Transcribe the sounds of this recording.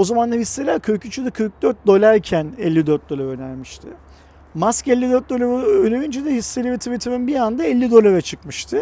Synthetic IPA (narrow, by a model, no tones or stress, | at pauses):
o̞zamand̪aɦisːelʲæɾkʰøjcʰyt͡ʃʰyd̪ɛkʰɯɾk̚d̪øɾt̪̚d̪o̞lʲˠaɾcʰænɛlʲːid̪ø̞ɾt̪̚d̪o̞lˠaɾø̞næɾmiʃt̪ʰɪ | maskɛlʲːid̪øɾt̪̚d̪o̞laɾønejynd͡ʒed̪ɛhisːelʲibet̪ʰivet̪ʰiminbiand̪aɛlʲːid̪o̞lˠaɾat͡ʃʰɯkmɯʃt̪ʰɯ